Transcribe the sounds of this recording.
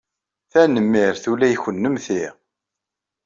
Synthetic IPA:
θænəmːiɾθulæjçənːəmθiʁ

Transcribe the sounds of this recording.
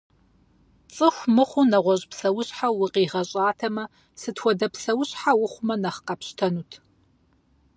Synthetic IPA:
t͡sʼɨxʷmɨχʷʊnɐʁʷɔɕʼpʰsɐwʊɕħawʊqiːʁɐɕʼaːtʰɐmɐ | sɨtʰwɔdɐpʰsɐwʊɕʼħawʊχʷʊmɐnɐχqɐpɕtʰɐnuːtʰ

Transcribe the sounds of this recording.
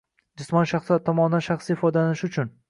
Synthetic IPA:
d͡ʒɪsmɒnʃaχsɒt̪ʰːɒmɒnɪd̪anʃaχsiɪfɒd̪anɪʃʊt͡ʃʰʊn

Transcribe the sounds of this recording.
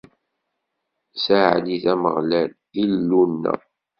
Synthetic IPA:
saʕ̰d̪iθæməʁlæl | ilːunːæ̰

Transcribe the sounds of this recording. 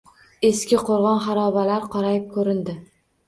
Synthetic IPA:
e̞skʲɪqʰoɾʁɒnχaɾɒbalaɾqʰɒɾajɪp̚kʰɵɾɪnd̪ɪ

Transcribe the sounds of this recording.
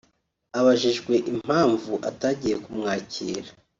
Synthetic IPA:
aβaʒiʒɡwe̞ʔim̥aːɱvuʔa̰taːɟijekumŋaːcḭːɾa

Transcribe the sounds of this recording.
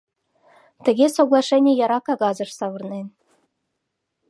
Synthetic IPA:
t̪ɘ̆ɡʲesoɡlˠɑʂenʲijɑɾɑkɑɡɑzɤ̆ʂsɑʋɤ̆rnenʲ

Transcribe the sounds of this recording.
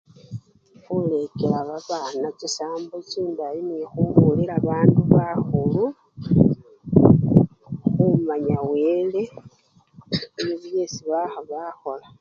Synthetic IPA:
xule̞kelaβaβanacisaːmbociːndajinixuβuliɾaβaːnduβaxulu | xumaɲawele̞ | niβje̞siβaxoβaxo̞la

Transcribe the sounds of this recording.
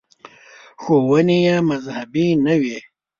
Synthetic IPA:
xowɐnijamɐzhabinawe

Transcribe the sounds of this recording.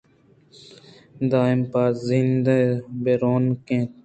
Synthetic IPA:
d̪aːɪmpaːzĩnd̪ebeɾoːnkẽːt̪̚

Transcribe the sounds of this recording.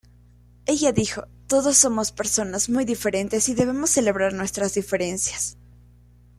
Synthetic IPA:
e̞ʝaðixo̞t̪o̞ðo̞sːo̞mo̞spe̞ɾso̞nazmujðife̞ɾe̞nt̪e̞siðe̞βe̞mo̞sːe̞le̞β̞ɾaɾnwe̞st̪ɾazðife̞ɾe̞nsjḁs

